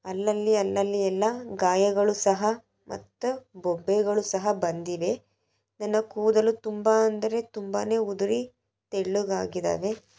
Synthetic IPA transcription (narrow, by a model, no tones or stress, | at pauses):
ɐlːɐlːiɐlːɐlːiɛlːɐɡaːjɐɡɐɭusɐɦɐ | mʔɐ̰t̪ːɐbɔbːɛɡɐɭusɐɦɐbɐnd̪iʋe̞ | nɐnːɐkuːd̪ɐlut̪umbaɐnd̪ɐɾe̞t̪umba̰ːne̞ːud̪uɾi | t̪eɭːuɡaːɡid̪a̰ːʋe̞